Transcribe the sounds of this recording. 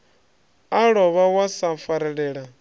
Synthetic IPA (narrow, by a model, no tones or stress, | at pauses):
aɺɔβawasafaɾɛɺɛːɺa